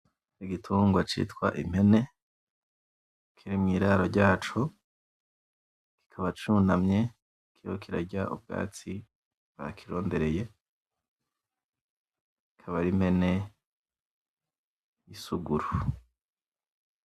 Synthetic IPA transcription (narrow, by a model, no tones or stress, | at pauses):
iɡitʰuːŋɡwat͡ʃḭtkwa̰ʔim̥he̞ne̞ | kʰiɾimŋiːɾaɾoɾɟaːt͡ʃo | ki̥kʰaβat͡ʃunamɲe̞ | kʰihokiɾa̰ɾɟaʔṵb̚ɡa̰ːt͡si | βa̰kʰiɾo̞ːnde̞ɾe̞je̞ | kikʰaβaɾim̥he̞ne̞ | jisuɡuɾu